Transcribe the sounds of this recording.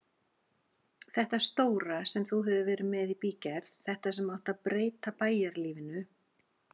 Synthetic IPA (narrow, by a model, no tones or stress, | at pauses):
θɛht̪ast̪oːwɾasɛmθuɦɛvʏvɛːɾɪmɛðipiːcɛɾθθɛht̪asɛmawht̪aðpɾeːjt̪apaːjaɾliːvɪnʏ